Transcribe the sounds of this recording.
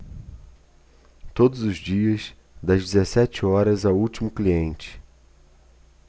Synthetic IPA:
t̪od̪ʊzʊzd͡ʒiɐs | d̪ɐzd͡ʒizesɛt͡ʃɪɔɾɐzawuwt͡ʃimʊkliẽnt͡ʃɪ̥

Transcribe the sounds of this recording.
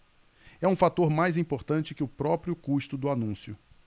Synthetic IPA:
ɛũfat̪oɾmajzĩpoɾt̪ɐ̃t͡ʃɪkɪʊpɾɔpɾjʊkuʃt̪ʊd̪ʊanũsjʊ

